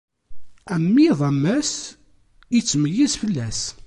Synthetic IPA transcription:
æmːiðˤɑmːæs | it͡sːməjːizfəlːæs

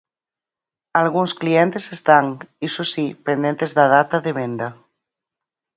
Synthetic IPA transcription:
alɣunsklient̪esest̪aŋisosipend̪ent̪ezðaðat̪aðeβend̪a

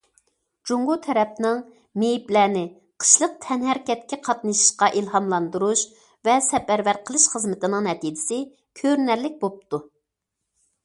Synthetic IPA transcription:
d͡ʒuŋɡut̪ʰɛɾɛp̚nɪŋ | mejplæːnɪ | qʰə̥ʃlˠəq̚t̪ʰɛnhæɾkʲɛt̪̚kʲɛqʰɑt̪nɨʃi̥ʃqɑʔilˠhɑmlˠɑnd̪uɾuʃ | vɛsɛpæɾvæɾqʰəlˠɨʃχəzmɨt̪ɪnɨŋnɛt̪iːd͡ʒɪsɪ | kʲʰøɾnæɾlɪk̚ʲbop̚t̪u

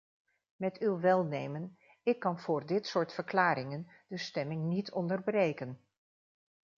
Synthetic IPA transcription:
mɛtywʋɛlˠnejmən | ɪkːɑnv̥ʊːɹdɪtsʊːɹtfəɹklaːɾɪŋən | d̥əstɛmɪŋnitʰɔndəɹbrejkən

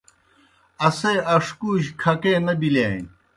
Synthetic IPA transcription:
ɐseɐʂkuːɕkʰɐkeːnɐbilaːjn

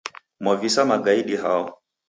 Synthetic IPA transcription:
mɔvisamaɡaiɗiɦaɔ

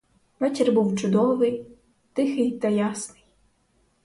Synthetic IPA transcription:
ʋɛt͡ʃɪrbuwt͡ʃʊd̪ɔʋɪj | t̪ɪxɪjt̪ɐjasnɪj

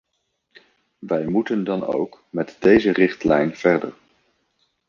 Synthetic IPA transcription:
ʋɛjmutəndɑno̰wkmɛtdejzərɪχtlɛjnv̥ɛɹdə̰ɹ

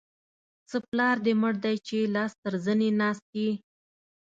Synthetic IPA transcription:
t͡səplɑɾd̪əməɽd̪ajt͡ʃelɑst̪əɾzənenɑst̪̚e

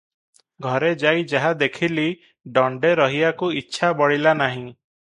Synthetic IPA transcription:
ɡʱɔɾed͡ʒajd͡ʒaɦad̪ekʰili | ɖɔɳɖeɾɔɦiakuitːʃʰabɔɽilanaɦĩ

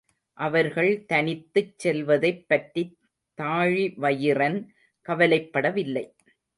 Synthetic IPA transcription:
ʔɐʋɐɾɣɐɭt̪ɐnɪt̪ːɯt͡ʃsːɛlʋɐðɐɪpːɐʈɾi | t̪ːaːɻiʋɐjɪrɐn | kɐʋɐlɐɪpːɐɽɐʋɪlːɐɪ

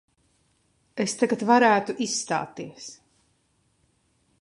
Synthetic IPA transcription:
est̪aɡat̪vaɾæːt̪uʔisːt̪a̰ːt̪iɛs

